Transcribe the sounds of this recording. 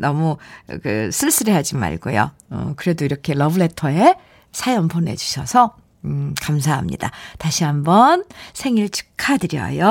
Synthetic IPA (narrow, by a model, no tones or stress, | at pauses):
nʌmukɯ̰s͈ʰɯɭs͈ɯɾeɦad͡ʑima̰ɭɡo̰jo̰ | ʌ̰kɯɾe̞doiɾʌkʰe̞lʌbɯɭe̞tʰʌe̞ | sʰajʌmpʰone̞̰d͡ʑuɕʰʌsʰʌ | kams̬ʰaɦamɲḭda̰taɕʰiɦambʌnsʰe̞ŋiɭt͡ɕʰɯ̥kʰadɯɾjʌ̰jo